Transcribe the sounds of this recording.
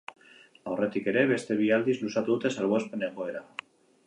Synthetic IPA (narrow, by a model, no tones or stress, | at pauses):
awret̪ikeɾeβest̪eβiald̪izlusat̪ut̪esalβespeneboeɾa